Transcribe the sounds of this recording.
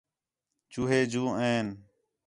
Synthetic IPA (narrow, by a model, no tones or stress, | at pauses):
t͡ʃuːɦeːd͡ʒũːẽːn